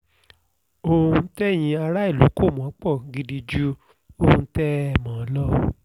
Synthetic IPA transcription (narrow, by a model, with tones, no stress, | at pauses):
o˧hũ˧˦tɛ˦j̃ĩ˧a˧ɾa˦i˦˨lu˨˦ko˦˨mɔ̃˨˦k͡pɔ˦˨ɡi˧di˧d͡ʒu˦ | o˦hũ˧tɛ˦ɛ˧˨mã˨˦lɔ˦